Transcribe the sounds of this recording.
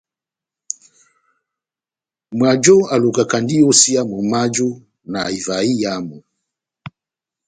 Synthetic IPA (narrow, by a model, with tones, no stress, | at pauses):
mwa˨d͡ʒɔ˦a˨lu˨ka˨ka˨ndi˦ɔ˦si˦a˦mɔ˨ma˦d͡ʒɔ˦ | na˨i˨va˨i˦ja˦mɔ˨